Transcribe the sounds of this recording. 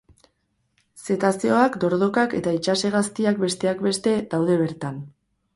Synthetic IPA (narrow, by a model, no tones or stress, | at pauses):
se̞t̪asio̞akd̪o̞ɾð̞o̞kake̞t̪ait͡ʃase̞ɣast̪iakbe̞st̪e̞akbe̞st̪e̞d̪awðe̞β̞e̞ɾt̪an